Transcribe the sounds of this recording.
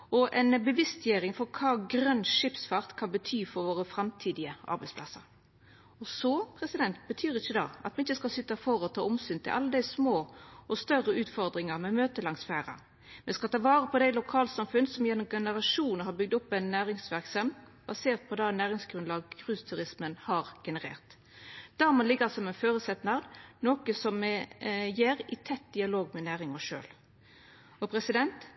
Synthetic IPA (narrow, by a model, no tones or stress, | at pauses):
ɔʔɛɪnbəʋɪst̪jæːɾɪŋfɔɾkʰɑːɡɾœnːʂɪpsfɑʁt̪kʰɑnbət̪ʰyːfɔɾʋoːʁəfɾɑmt̪ʰiːd̪ɪəʔɑ̰ɾbɛɪspʰlɑ̰səɾ | ɔsɔpʰɾɛsɪd̪ɛnt̪bət̪ʰyːɾɪçːəd̪ɑ̰ːʔɑ̰t̪̚mɛɪçːəskɑlsʏt̪ːɑfɔɾɔt̪ʰɑːʊmsyːnt̪ʰɪlʔɑ̰lːəd̪æɪsmoːɔst̪œrəʉːt̪fɔɾd̪ɾɪŋəɾmɛmøːt̪əlɑŋsfæːɾə̰ | mɛskɑlt̪ɑːʋɑːʁəpʰɔd̪ɛɪlʊkʰɑːlsɑmfʉnsɔmjɛnːɔmɡɛnəʁɑʂuːnn̩ɦɑɾbʏɡ̚d̪ʊpːæɪnːæːʁɪŋsʋæʁksɑm | b̥ɑseːʁt̪̚pʰɔd̪ɑnæːʁɪŋsɡ̥ʁʉnlɑːɡ̚ɡʁʉːst̪ʰʉɾɪsmənhɑʁɡ̥ɛnəʁḛːʁt̪ | d̪̥ɑɾmɑnlɪɡːəʁsɔmɛnføːɾʉsɛt̪nɑʁd̪noːkəsɔmɛjeːʁɪt̪ʰɛt̪̚d̪ɪɑloːɡmɛnæːʁɪŋɔʂø̰ːl | ɔpʰɾɛsɪd̪ɛnt̪